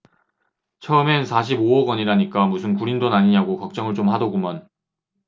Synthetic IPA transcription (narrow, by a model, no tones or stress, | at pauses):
t͡ɕʰʌɯme̞nsʰaɕ̬ʰiboʌɡʌɲiɾaɲik͈amusʰɯnkuɾindonaɲiɲaɡokʌk̚t͡ɕ͈ʌŋɯɭt͡ɕomhadʌɡumjʌn